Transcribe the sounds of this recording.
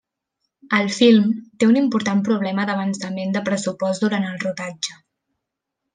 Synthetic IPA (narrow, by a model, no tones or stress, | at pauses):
əlˠfilˠmt̪eunimpuɾt̪ampɾuβ̞lɛməðəβ̞ənsəmend̪əpɾəsupɔsd̪uɾant̪əlˠruðad͡ʒə